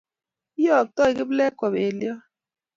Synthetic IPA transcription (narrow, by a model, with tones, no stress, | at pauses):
i˦jɔ˦˨k̚tɔ˦i˨ki˦blɛ˦kɔ˨be˨ljɔ˦